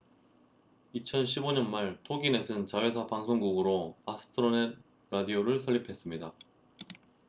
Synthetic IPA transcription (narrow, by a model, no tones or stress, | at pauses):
it͡ɕʰʌnɕ̬ʰiboɲʌnmaɭtʰoɡine̞sʰɯnt͡ɕaɦwe̞sʰapaŋsʰoŋɡuɡɯɾoasʰɯ̥tʰɯɾone | ɾadioɾɯɭsʰʌɭːipʰe̞s͈ɯmɲida